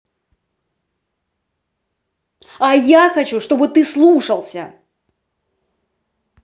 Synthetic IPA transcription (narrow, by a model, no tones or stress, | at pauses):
ajaxɐt͡ɕuʂt̪o̞bɨt̪ɨslˠuʂəlˠsʲə̰